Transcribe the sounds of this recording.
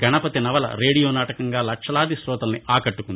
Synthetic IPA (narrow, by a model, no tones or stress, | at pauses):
ɡɐnɐpɐt̪inɐʋɐlɐ̰ɾe̞ːɽijoːnaːʈɐkɐŋɡaːlɐkʂɐlaːd̪isɾɔːt̪ɐlɐniʔaːkɐʈːukund̪i